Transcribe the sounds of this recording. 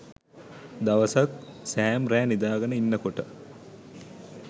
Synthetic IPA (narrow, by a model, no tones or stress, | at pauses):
d̪aʋəsak̚sæːmɾæːnid̪aːɡənəinːəkoʈə